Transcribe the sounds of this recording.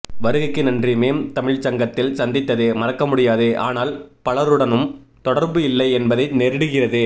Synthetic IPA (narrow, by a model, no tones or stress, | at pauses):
ʋɐɾɯɣɪkːɯnɐndrimeːmt̪ɐmɪɻt͡ʃɐŋɡɐt̪ːɪlsɐnd̪ɪt̪ːɐðeːmɐrɐkːɐmʊɽɪjaːðɯʔaːnaːlpɐɭɐɾɯɽɐnɯmt̪ɔɽɐɾbɯɪlːɐɪɛnbɐðɐɪnɛɾɪɽɯɣɪrɐðɯ